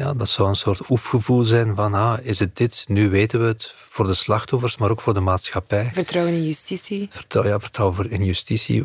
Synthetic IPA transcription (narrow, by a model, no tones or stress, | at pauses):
ja̰ːdɑtsɔwənsoːrtufɣəvulˠzɛjnvɑnɦaɪzət̚dɪtnyʋeːtənʋəɦət | v̥oːrdəslɑxtɔfərsmaːɾoːkfoːrdəmaːtsxɑpɛjvərtrɔwənɪnjystisivərtrɔ̰wjavərtrɔwəvrɪnjystisḭ